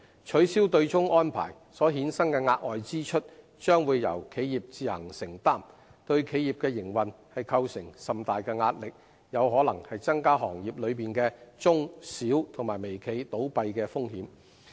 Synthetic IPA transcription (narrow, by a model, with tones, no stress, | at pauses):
t͡ʃʰɵ˨˥siː˥wt̪ɵ˧ɥt͡sʊ˥ŋɔː˥npʰa̰ː˨˩j | sɔː˨˥ɦiː˨˥nsɐ˥ŋkɛː˧ŋaː˧t̚ɔː˨jt͡siː˥t͡ʃʰɵ˥t̚ | t͡ʃœː˥ŋwuː˨˧jːɐ̰˨˩wkʰe˨˧jjiː˨p̚t͡siː˨˧hɐ̰˨˩ŋsɪ˨˩ŋt̪aː˥m | t̪ɵ˧ɥkʰe˨˧jiː˨p̚kɛː˧jɪ˨˩ŋwɐ˨nhɐ˨jkʰɐ˧wsɪ˨˩ŋsɐ˨mt̪aː˨jkɛː˧ŋaː˧t̚lɪ˨k̚ | jɐ˨˧wɦɔː˨˥lɐ˨˩ŋhɐ˨jt͡sɐ˥ŋkaː˥ɦɔː˨˩ŋjiː˨˩p̚lɵ˨˧ɥpiː˨nkɛː˧t͡sʊ˥ŋsiː˨˥wt̪ʰʊ˨˩ŋmaː˨˩jme˨˩jkʰe˨˧jt̪o˨˥wpɐ˧jkɛː˧fʊ˥ŋhiː˨˥m